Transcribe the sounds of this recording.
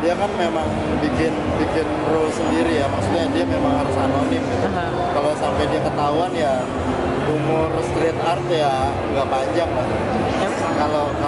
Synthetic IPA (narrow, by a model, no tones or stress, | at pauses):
diakanmemaŋ | bikɪn | bikɪn | rʊsəndiɾijamaksut̪ɲadiamemaŋhaɾʊsanonɪmɡit̪u | kalosampajdiakət̪aɦuanja | umʊrst̪ɾit̪art̪jad͡ʒuɡapaɲd͡ʒaŋlai | kaloka